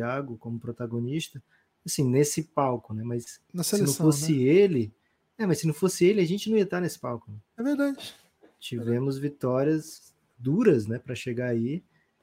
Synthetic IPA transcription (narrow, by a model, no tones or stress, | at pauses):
aɡʊkõmʊpɾot̪aɡõniʃt̪ɐ | asĩnesɪpawkʊnɛmɐsnɐsenleɐ̃w̃fosɪelɪ | ɛmɐsːɪnɐ̃w̃fosɪelɪaʒẽnt͡ʃɪnɐ̃iɐt̪aɾnesɪ̥pawkʊnɛɛveɾd̪ad͡ʒɪ | t͡ʃivẽmʊzvit̪ɔɾiɐz | d̪uɾɐznɛpɾɐʃeɡaai